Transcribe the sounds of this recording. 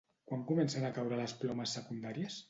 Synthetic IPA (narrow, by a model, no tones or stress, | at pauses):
kwaŋkumɛnsənakawɾələsplɔməsːəkund̪aɾiəs